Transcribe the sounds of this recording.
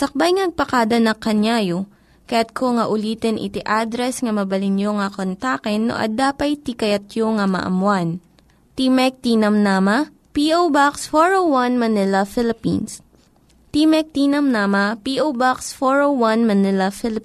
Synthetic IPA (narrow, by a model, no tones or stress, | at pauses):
sɐk̚bajŋɐnɐɡ̚pɐkaːd̪ɐnɐkɐɲaːjo | kɐjat̪̚kʰoŋɐʔʊliːt̪ɛnʔɪ̰t̪iʔad̪ɾɛsŋɐmɐbɐlɪnjoŋɐkont̪aːkɛnːo̰ʔɐ̰d̪aːpɐjt̪ikɐjɐt̪̚joŋɐmɐ̰ʔɐ̰mwan | t̪imɛk̚t̪iːnɐmnaːmɐ | piʔowbaksfoɹowwɐnmɐnɪlɐfɪlɪpḭns | t̪imɛk̚t̪iːnɐmnaːmɐpiːʔowbaksfoɹowwanmɐnɪlɐfɪlɪ